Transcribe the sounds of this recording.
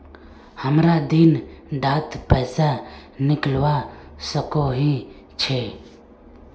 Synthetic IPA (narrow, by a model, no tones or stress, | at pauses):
həmɾad̪ɪnɖaːt̪pɛːsanɪklwasəkoɦi | t͡ʃʰe